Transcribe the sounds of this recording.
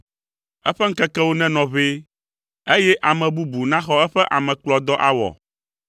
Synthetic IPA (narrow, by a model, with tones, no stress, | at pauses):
ɛ˦ɸɛ˦ŋ̩˦kɛ˦kɛ˦wo˦nɛ̃˦nɔ̃˨βe˦ | e˦jɛ˦ʔa˨mɛ̃˨bu˦bu˨nã˦xɔ˦ɛ˦ɸɛ˦ʔa˨mɛ̃˨k͡plɔ˨d̪ɔ˦ʔa˦wɔ̰˨